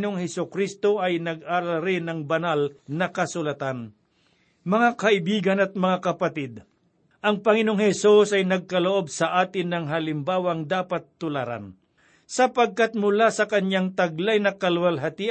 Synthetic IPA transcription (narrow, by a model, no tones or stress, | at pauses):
noŋhɛsʊkɾist̪o̞ʔɐjnɐɡaɾɐɾɪnɐŋbɐnalnɐkɐsʊlɐt̪an | mɐŋakɐʔɪbiːɡɐnɐt̪̚mɐŋakɐpɐt̪ɪd̪̚ | ʔɐŋpɐŋɪnoŋhɛsusɐjnɐɡ̚kɐloʔo̞bsɐʔaːt̪ɪnːɐŋɦɐlɪmbaːwɐŋd̪aːpɐt̪ːʊlaɾa̰n | sɐpɐɡ̚kat̪̚mʊlasɐkɐɲjaŋt̪ɐɡ̚lajnɐkɐlwɐlɦɐt̪ɪ